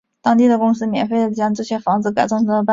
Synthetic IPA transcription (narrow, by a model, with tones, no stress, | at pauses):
t̪ɑ˥ŋt̪i˥˩d̪ə˩kʊ˥ŋsɹ̩˥mjɛ̰˨˩nfe˥˩ə˩ʈ͡ʂi˥˩jɑ˥ŋʈ͡ʂ̩˥˩t͡ɕʰɥɛ˥˩fɑ˧˥ŋd͡zɹ̩˧ka˨˩ɪʈ͡ʂɑ˥ŋʈ͡ʂ̩˥d̪ə˧pa˥